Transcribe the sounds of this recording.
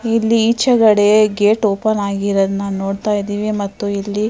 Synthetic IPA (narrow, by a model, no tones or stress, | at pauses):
ilːiit͡ʃːɐɡɐɽe̞ɡe̞ːʈoːpɐnaːɡiɾɐd̪naːnno̞ːɽt̪aːjid̪iːʋimɐt̪ːuilːi